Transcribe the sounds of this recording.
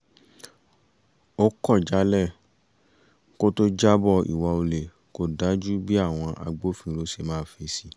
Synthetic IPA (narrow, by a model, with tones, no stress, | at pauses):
o˦kɔ˦˨d͡ʒa˨˦lɛ˦˨ | ko˦to˦d͡ʒa˦bɔ˦˨ḭ˨wɔ˧o˧le˨ | ko˦da˨˦d͡ʒu˦bi˦a˦˨w̃ɔ̃˧ʔa̰˧ɡ͡bo˦fĩ˦˨lo˧˦se˧˨mãː˦˨fe˧˦si˦